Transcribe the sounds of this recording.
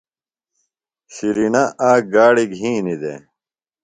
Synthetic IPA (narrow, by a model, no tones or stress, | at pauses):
ɕiɾinaʔaːɡaːɽiɡʱɦĩːnid̪ḛ